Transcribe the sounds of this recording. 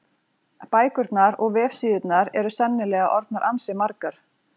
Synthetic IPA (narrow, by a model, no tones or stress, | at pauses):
paːjkʏɾt̪naɾɔɣvɛːfsiːðʏt̪naɾɛɾʏsɛnːɪlɛːɣaʔɔɾt̪̚naɾʔansɪmaɾkaɾ̥